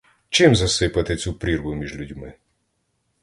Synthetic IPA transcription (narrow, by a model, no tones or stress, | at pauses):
t͡ʃɪmzɐsɪpɐt̪ɪt͡sʲupɾʲirɦʊmʲiʒlʲudʲmɪ